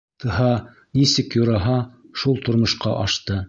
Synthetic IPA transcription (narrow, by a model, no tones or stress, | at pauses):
t̪ʰɤ̆ɦɑ | nisɘkjuɾɑɦɑʃulˠt̪ŏɾmŏʃqɑʔɑʃt̪ɤ